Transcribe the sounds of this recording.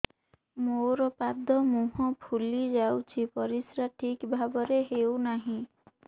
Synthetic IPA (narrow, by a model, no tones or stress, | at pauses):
moɾɔpad̪ʱɔmuɦɔ̃pʰulid͡ʒawt͡ʃʰipɔɾisɾaʈʰikbʱabɔɾeɦewnaɦĩ